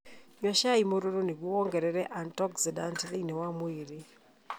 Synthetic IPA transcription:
ɲwaʃaimoɾoɾoneɡwowɔŋɡɛɾɛɾɛʔantɔksidantiðeinewamweɾe

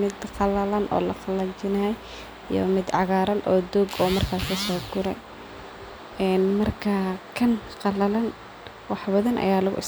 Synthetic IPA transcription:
mɪd̪qɑlɐlɐnʔɔ̰ːlɐqɑlɐt͡ʃɪnɐj | ijɔ̰mɪd̪ʕɑɣaːɾɐnɔːd̪ɔɡɔːmɐrkʰaːsisɔːɡʊɾɛ̰j | ɛːnmɐrkʰɐkʰɐnqɑlɐlɐn | wɑħbɐðɐnʔɐ̰jaːlʊɣʊ̰ʔɪ̰s

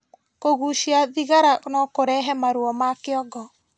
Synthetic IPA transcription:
koɣuʃiaðiɣaɾanɔkoɾɛɦɛmaɾuɔmakɪɔɡɔ

